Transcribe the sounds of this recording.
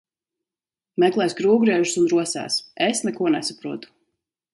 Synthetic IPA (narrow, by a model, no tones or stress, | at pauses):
mɛklˠɛjskɾuːɡɾiɛʒusunɾuɔsæ̰ːsesnɛkuɔnɛsapɾuɔt̪u̥